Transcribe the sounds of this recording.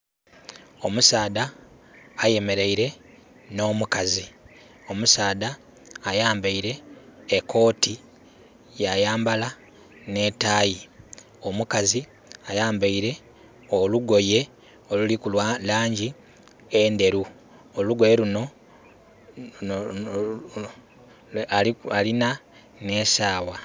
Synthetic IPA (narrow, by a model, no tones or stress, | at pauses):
o̞musaːdaː | je̞me̞ɾe̞iɾe̞ | no̞ːmukazi | o̞musaːdaː | jaːmbaiɾe̞ːkʰːo̞ːti | jajaːmbala | ne̞ːtaːji | o̞mukazi | ajaːmbaiɾe̞ | oluɡo̞je̞ | olulikulwalaːɲɟi | ende̞ɾu | oluɡwe̞ːɾuno̞ | aalina | ne̞ːsaːwa